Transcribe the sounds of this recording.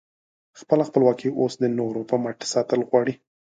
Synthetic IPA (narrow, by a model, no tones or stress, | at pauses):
xpəlaxpəlwɑkiʔosd̪ənoɾopəmaʈsɑt̪əlɣwɑɽi